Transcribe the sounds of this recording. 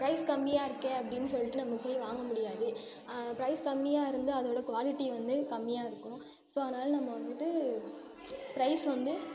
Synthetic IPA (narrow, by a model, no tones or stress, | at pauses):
pɾɐɪskɐmːɪjaːɪɾɯkːeɐpːɐɽɪnːɯsɔlːɪʈːɯnɐmːɐpːɐɪʋaːŋɡɐmʊɽɪjaːðɯ | pɪɾɐɪskɐmːɪjaːɪɾɯnd̪ɯɐðoːɽɐkʊʋaːlɪʈːiʋɐnd̪ɯkɐmːɪjaːɪɾɯkːʊ̃ | soːɐðɐnaːlɐnɐmːɐʋɐnd̪ɯʈːɯ | pɪɾɐɪsʋɐnd̪ɯ